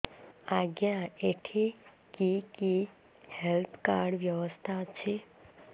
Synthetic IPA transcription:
aɡjaeʈʰi | kiki | helt̪ʰkaɾɽʋjəʋəst̪ʰat͡ʃʰi

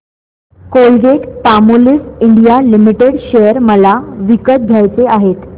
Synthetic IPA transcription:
kolɡekpamulisiɳɖijalimiʈeɽɕejəɾməlaʋikət̪̚ɡʱjajt͡seaɦet̪

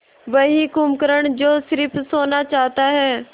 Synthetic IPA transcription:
ʋəɦikʊmkəɾəɽ̃d͡ʒoːsɪɾpʰsoːnat͡ʃaːt̪aɦɛː

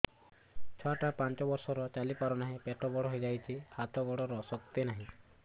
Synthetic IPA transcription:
t͡ʃʰɔaʈapant͡ʃɔbɔɾsɔɾɔt͡ʃalipaɾɔnaɦĩpeʈɔbɔɽɔɦojd͡ʒajt͡ʃʰihat̪ɔbɔɽɔɾɔsɔkt̪enaɦĩ

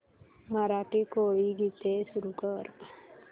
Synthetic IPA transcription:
maɾaːʈikoːiɡit̪esuɾukəɾ

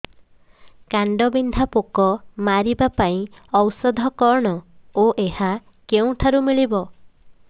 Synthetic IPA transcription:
kaɳɖɔbind̪ʱapokɔmaɾibapaĩɔwsɔd̪ʱɔkɔɾɳ̃ɔoʔeha | keũʈ̪ʰaɾumiɭibɔ

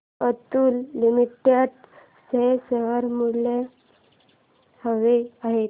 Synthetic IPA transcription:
ət̪uːlːimiʈeɽ | seseʋəɾmuɽlẽ | həʋeaɦe

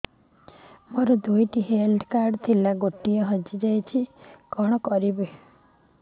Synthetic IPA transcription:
mɔɾɔd̪ujʈiɦelɖkaɾɖt̪ʰilaɡoʈijɔɦɔd͡ʒid͡ʒajt͡ʃʰikɔɽ̃ɔkɔɾibi

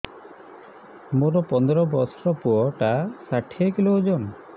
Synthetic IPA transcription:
moɾɔpɔnd̪ɾɔbɔsɾɔpuɔʈasaʈʰekilod͡ʒɔn

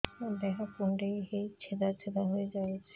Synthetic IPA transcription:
d̪ɛɦapoɳɖejɦejt͡ɕʰed̪aɾt͡ɕʰed̪aɦoed͡ʑae

